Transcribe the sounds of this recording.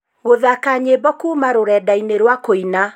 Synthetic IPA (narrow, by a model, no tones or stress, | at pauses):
ɣoðakaɲebɔkuːmaɾoɾɛdaineɾwakoina